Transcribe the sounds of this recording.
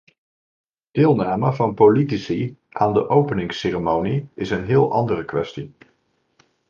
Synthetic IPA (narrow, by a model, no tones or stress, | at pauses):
d̥ɪːlˠnaːməvɑnpolitisi | ʔaːndəʔowpənɪŋseːrəmowniɪsənɦɪːlˠʔɑ̰ndərəkʋɛ̰sti